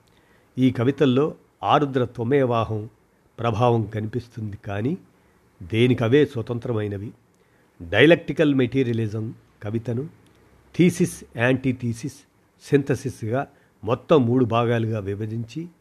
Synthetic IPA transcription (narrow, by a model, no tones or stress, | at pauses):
iːkɐʋit̪ɐlːo̞ː | aːɾud̪ɾɐt̪ɐmɛːʋaːɦɐm | pɾɐbʱaːʋɐmkɐnipist̪und̪ikaːniː | d̪eːnikɐʋe̞ːsʋɐt̪ɐnt̪ɾɐmɐjnɐʋi | ɖɐjɐlɐk̚ʈikɐlmeʈiːɾijɐlizɐm | kɐʋit̪ɐnu | t̪ʰiːsisaːɳʈit̪ʰiːsisː | int̪ɐsisɡaː | mɔt̪ːɐmːuːɽubʱaːɡaːluɡaːʋibɐd͡ʒiɲt͡ʃi